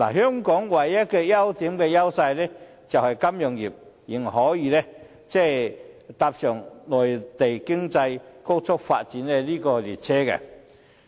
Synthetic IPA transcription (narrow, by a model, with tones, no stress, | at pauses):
la̰˨˩ɦœ˥ŋkɔ˨˥ŋwa˨˩jja˥kɛ˧ja˦wt̪i˨˦mkɛ˧ja˥wsa˧jlɛ˦˥ | t͡sa˨wha˨˩jka˥mjɔ˨˩ŋji˨˩p̚ | ji˨˩ŋ˨ɦɔ˨˦jiː˨nɛ˦˥ | t͡sɛ˥˩t̪a˧p̚sœ˨˩ŋnɔ˨˩jt̪e˨˩jkɪ˥ŋt͡sa˧jko˥wt͡sʰʊ˥k̚fa̰˧t̚t͡ɕi˨˦nɛ˧li˦˥kɔː˧lḭ˨˩t͡sʰɛ˦˥kɛ̰˧